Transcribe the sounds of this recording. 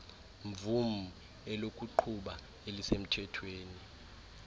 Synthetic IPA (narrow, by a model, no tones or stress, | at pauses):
ɱb̪vum̩u | ɛlokʼuǃʰuɓa | elisem̩tʰɛtʰweːni